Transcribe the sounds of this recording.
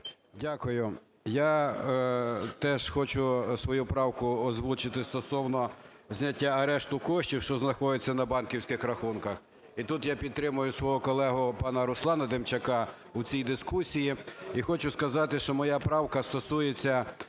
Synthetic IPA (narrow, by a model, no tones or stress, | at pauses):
dʲakʊjʊ | ja | t̪ɛʃxɔt͡ʃʊsʋɔjupɾɑwkʊɔzʋut͡ʃɪt̪ɪst̪ɔsɔwnɔ | zʲnʲɐtʲːaɐɾɛʃt̪ʊkɔʃt͡ʃʲiwʃt͡ʃɔznɐxɔd̪ɪt͡sʲːɐnɐbɑnkʲiwsʲkɪxɾɐxunkɐx | it̪ut̪japʲid̪̚t̪ɾɪmʊjʊsʋɔɦɔkɔlˠɛɦʊpɑnɐɾʊslˠɑnɐd̪emt͡ʃɐkɑ | uʊt͡sʲijd̪ɪskusʲijiixɔt͡ʃʊskɐzɑt̪ɪʃt͡ʃɔmɔjɑpɾɑwkɐst̪ɔsujet͡sʲːɐ